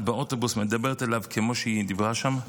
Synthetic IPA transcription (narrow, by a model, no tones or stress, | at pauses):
beʔotobusmed̪abeʁt̪elavkʰemo̞ʃeid̪ivʁaʃam